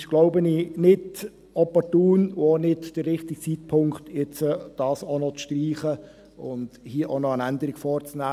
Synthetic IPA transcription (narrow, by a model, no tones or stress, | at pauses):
ɪʃɡ̥loʊbəninɪd | ɔpɔrtuːnuonɪdd̥ərːɪχt̪ik̚t͡sit̚pʰʊŋkχtjɛt͡səd̥ɑːsɔnɔt͡sʃtriːχə | ʊ̰nd̥hiəʔonɔənændəɾɪɡ̥fɔːɾt͡snæː